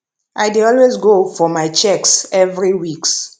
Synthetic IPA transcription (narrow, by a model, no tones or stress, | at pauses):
ʔajdiɔlwezɡofɔmajt͡ʃɛksɛvɹiwiks